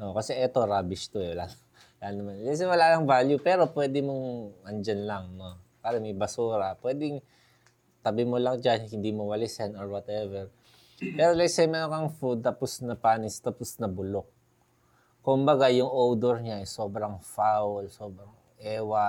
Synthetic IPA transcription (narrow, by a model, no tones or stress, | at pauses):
ʔokɐsɛʔɛt̪o̞ɾaːbɪʃt̪oɛwla | wlanɐmanlɛs̬ɛjwɐlaːlɐŋvaljupɛːɾo̞pwɛːd̪ɪmoŋʔɐnd͡ʒɐnlɐŋnopaːɾɐmɐjbɐsuːɾɐpwɛːd̪ɪŋ | t̪ɐbɪmolɐŋd͡ʒanhɪnd̪imowɐlɪsɛnoɹwɐt̪ɛvɛɹ | pɛːɾolɛsɛjmɛːɾonkɐŋfud̪̚t̪ɐposnɐpaːnɪst̪ɐposnɐbʊlok̚ | kːʊmbɐɡajʊŋʔowd̪ɛɹɲaʔɛso̞ːbɾɐŋfawlso̞ːbɾɐŋ | ʔɛːwɐ